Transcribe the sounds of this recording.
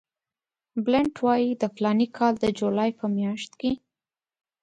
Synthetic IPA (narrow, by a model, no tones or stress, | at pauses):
blɪɳʈwɑjid̪əflɑnikʰɑld̪əd͡ʒolɑjpəmjɑʃt̪ke